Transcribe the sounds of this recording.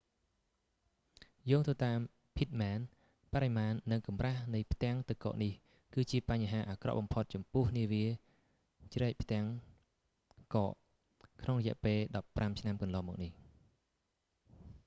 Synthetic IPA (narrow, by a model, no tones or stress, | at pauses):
joːŋt̪ʰəːt̪aːm | pʰit̪̚maːn | paɾɛmaːnːɨŋkɑmrahnɨjpʰt̪ɛ̆əŋt̪ɨwkɔ̰ːʔnih | kɨːt͡ɕiəpaɲɦaːʔaːkrɑ̰ʔɓɑmpʰot̪̚t͡ɕɑmpʊəhniəʋiə | t͡ɕrɛːk̚pʰt̪ɛ̆əŋ | kɑːʔ | kʰnoŋrɔjɛ̆əʔpeːlɗɑpːramt͡ɕʰnamkɑnlɑːmɔ̰ːk̚nih